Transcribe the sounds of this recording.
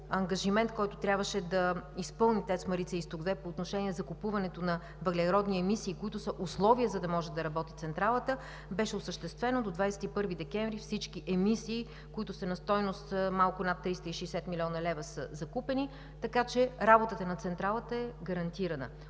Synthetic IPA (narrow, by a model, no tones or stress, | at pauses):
ɐŋɡɐʒimɛnt̪̚kɔjt̪ʊt̪ɾʲabvəʃɛd̪ɐispɤlˠnit̪ɛsmɐɾit̪sɛist̪oɡd̪vɛpoːt̪noʃɛniɛzɐkupuvɐnɛt̪onɐ | vɐɡlɛɾɔd̪niɛmisiːkoit̪ʊsəʔʊslˠɔviəzɐd̪ɐmɔʒɛd̪ɐɾɐbɔt̪it̪sɛnt̪ɾalˠət̪ə | bɛʃɛʊsəʃt̪ɛst̪vɛnod̪od̪vajsɛ̥t̪ipɤɾvid̪ɛkʲɛɱvɾifsit͡ʃkiʔɛmisiː | koit̪ʊsɐnɐst̪ɔjnost̪malˠkʊnat̪ːɾist̪əiʃɛjsɛt̪milʲɔnɐlɛvəsəzɐkupɛni | t̪ɐkat͡ʃɛɾabot̪ət̪ənɐt̪sɛnt̪ɾalˠət̪əɛɡɐɾɐnt̪iɾɐnə̰